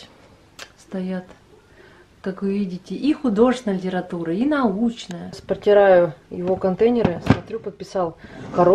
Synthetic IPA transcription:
st̪ɐjat̪ | kakvɨvʲidʲɪtʲɪʔixʊd̪o̞ʐɨsʲɪnəlʲɪtʲɪɾɐt̪uɾəinɐut͡ɕnəjəspərtʲɪɾajʊjɪ̰vo̞kɐnt̪ejnʲɪɾɨsmɐt̪ɾʲupət̪̚pʲɪsɑlˠkɐɾo

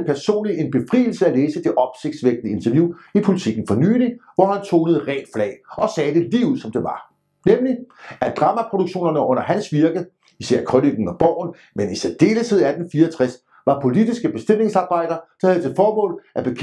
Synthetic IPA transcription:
pʰæɐso̝̰ːnlie̝nb̥e̝fʁḭːl̩səæleːsəd̥e̝ʔɒ̽b̥se̝ɡ̥d̥sʋeɡ̥nəe̝nt͡sʰɐʋjuːipʰo̝lit͡sʰiɡ̥n̩fɒ̽ny̰ːliʋɒhænt͡sʰo̝̰ːnəð̩ˠʁɛ̰ːd̥flɛ̰ːɪɒ̽sɛːd̥e̝liːʊuð̰ˠsɒ̽md̥e̝ʋɑ̈ | nemliæd̥ʁɑ̈məpʰʁo̝ɾ̥oɡ̥ɕo̝̰ːnɐnəʔɔ̽n̰ɐɦænsʋiɐɡ̥ə | isæɐ̰kʰʁɔniɡ̥n̩ɒ̽b̥ɒʊ̰n̩ | menised̥e̝ːləsʰeð̰ˠæd̥en̩fiːɐɒt͡sʰʁas | ʋɑ̈pʰo̝lid̥isɡ̥əb̥e̝sd̥em̰e̝ŋsɑ̈ːb̥ɑ̈ɪ̰d̥ɐsɒhæð̩ˠt͡sʰe̝lfɒːmɔ̰ːlʔæb̥e̝kʰ

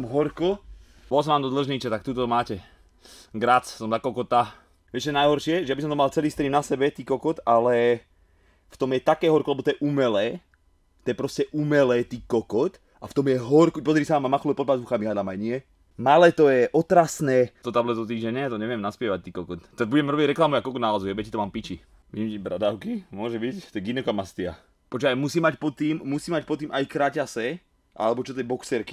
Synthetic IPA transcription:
mɦɔɾkɔ | bɔlsɔmʋaːmd̪ɔd̪l̩ʒɲit͡ʃɛt̪ak̚t̪uːt̪ɔmaːcɛ | ɡɾat͡ssɔmzakɔkɔt̪a | ʋjɛʒɛnajɦɔɾʃɪɛʒɛjabisɔmt̪ɔmalt͡sɛliːst̪ɾinasɛbɛt̪iːkɔkɔt̪alɛ | ft̪ɔmjɛt̪akɛːɦɔɾkɔlɛbɔt̪ɔjɛʔumɛlɛː | t̪ːɔjɛpɾɔscɛʔumɛlɛːt̪iːkɔkɔt̪ | aft̪ɔmjɛɦɔɾkuc̚pɔzaɾiːsaaːmamaxluɛpɔd̪̚pazʋuxamiɦlad̪amajɲɪɛ | malɛːt̪ɔjɛʔɔt̪ɾasnɛːt̪ɔt̪ablɛt̪ɔt̪̬iːʒɛɲɛat̪ɔɲɛʋjɛmnaspɪɛʋac̚t̪iːkɔkɔt̪ːɛbuɟɛmɾɔbiɟɾɛklamuakɔkɔd̪nalazujɛbɛacit̪ɔmaːmpit͡ʃi | ʋiimt͡ʃibɾad̪aʊkimʊɔʒɛbict̪ɔjɛɡinɛkɔmast̪ia̰ | pɔt͡ʃɔajmusiːmacpɔt̪ːiːmːusiːmac̚pɔt̪ːiːmʔajkɾacasɛ | ʔa̰lɛbɔt͡ʃɔt̪ɛbɔksɛɾki̥

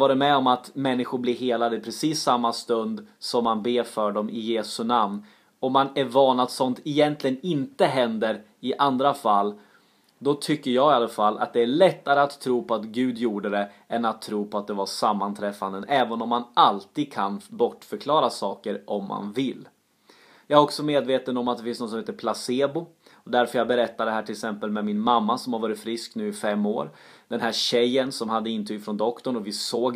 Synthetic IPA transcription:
vɑːɾɛmɛɔmat̪mɛnːɪɧʊɾblɪɾɦeːlad̪əɪpʰɾɛsiːsːamːast̪ɵnd̪sɔmːanbeːɾfœɖɔmɪjeːsɵnamn | ɔmːanæɾvɑːɳad̪sɔnt̪ɪjɛnt̪lɪɡənɪnt̪əɦɛnd̪əɾ | ɪʔand̪ɾafalː | d̪ɔt̪ʰʏkːəɾjɑɡɪalafalːʔa̰t̪̚d̪ɛæɭɛt̪ːaɾəat̪ʰːɾuːpʰɔat̪ɡʉ̟ːd̪juːɖəd̪ɛ | ɛnat̪ʰːɾuːpʰɔat̪̚d̪ɛvasamːant̪ʰɾɛfːand̪ənɛːvənɔmːanalt̪iːd̪̚kʰanbɔʈːfœɾkʰlɑːɾasɑːkəɾʔɔmːa̰nvɪlː | jɑːɡæɾɔksɔmeːd̪veːt̪ənɔmat̪̚d̪ɛfɪnsnɔt̪sɔmheːt̪əpʰlaseːbʊ | ɔd̪æɾfœɾjɑɡ̚bɛɾɛt̪ːaɖ̪ɛɦæːʈʰɪlksɛmpəlmɛmɪnmamːasɔmhaɾvɑːɾɪt̪fɾɪsknʉ̟ːɪfɛmːo̰ːɾ | d̪ɛnɦæːɾɕɛjːənsɔmhad̪ːəɪnt̪ʰɾyːɡfɾɔnd̪ɔkt̪ɔɳɔvɪsoːɡ

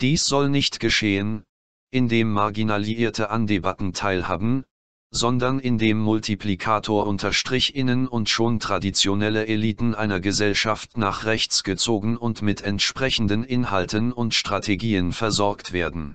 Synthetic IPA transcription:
d̥iːsz̥ɔlnɪçtɡ̥əʃeːən | ʔɪndeːmːaɐɡinaliiːɐtʰəʔandebatn̩tʰaɪlha̰ːbm̩ | zɔndɐnɪndeːmːʊltʰiplikʰaːtʰoːɐʔʊntʰɐʃtʁ̥ɪçʔɪnənʊntʃoːntʁ̥adit͡sjonɛləʔeliːtn̩ʔaɪnɐɡəzɛlʃaftnaːχʁɛçt͡sɡ̥ət͡soːɡŋ̩ʊntmɪtʰɛntʃpʁ̥ɛçn̩dənʔɪnhaltənʊntʃtʁ̥atʰeɡiːənfɛɐzɔɐktv̥eːɐdn̩

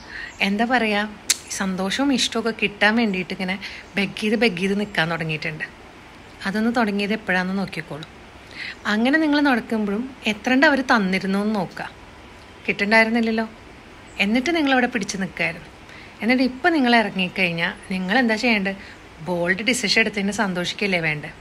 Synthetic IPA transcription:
e̞nd̪aːpɐrɐjaːsɐnd̪o̞ːʂɐʋumiʂʈɐokːekiʈːaːnʋe̞ːɳɖijiʈːeŋːɐne̞be̞ɡːiːðɨbe̞ɡːijðɨnikːaːnt̪oɽɐŋːijiʈːɨɳɖɨ | ɐðo̞nːɨt̪o̞ɽɐŋːijɐðepːɐɻɐnːɨno̞ːkːikːoːɭum | ɐŋːɐne̞niŋːɐɭno̞ɽɐkːumboɭume̞t̪ːrɐɳɖɐʋɐɾut̪ɐnːiɾunːunːɨno̞ːkːa | kiʈːeɳɖaːjiɾunːilːɐlːo̞ː | e̞nːiʈːɨniŋːɐɭɐʋiɽepiɽit͡ɕːɨnikːaːjiɾunːu | e̞nːaʈːipːoːniŋːɐɭeirɐŋːikɐɻiɲːaːlniŋːɐɭe̞nd̪aːt͡ɕe̞jːaːɳɖɨ | bo̞ːɭɖɨɖisiʂeɽut̪ːɐnːɨsɐnd̪oːʂikʲːɐɐlːeʋe̞ːɳɖɨ

